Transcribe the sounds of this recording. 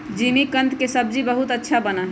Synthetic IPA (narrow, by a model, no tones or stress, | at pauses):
d͡ʒiːmikə̃nt̪kesəb̚d͡ʒibəɦut̪ətːʃʰabənaɦ